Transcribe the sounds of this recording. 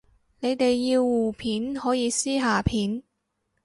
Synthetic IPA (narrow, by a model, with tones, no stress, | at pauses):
ne˨˧jt̪e˨jːiː˧wːuː˨˩pʰiː˨˥nhɔː˨˥jiː˨˧siː˥ɦaː˨˧pʰiː˨˥n